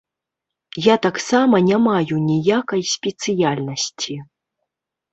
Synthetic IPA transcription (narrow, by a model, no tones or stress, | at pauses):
jat̪aksamɐnʲamajunʲijakɐjsʲpʲɛt̪sɨjalʲnɐsʲt͡sʲi